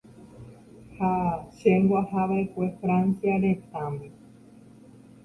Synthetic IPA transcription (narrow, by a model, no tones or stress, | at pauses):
haʃembwaɦaβaekʷe̞fɾãnsjaɾet̪ãme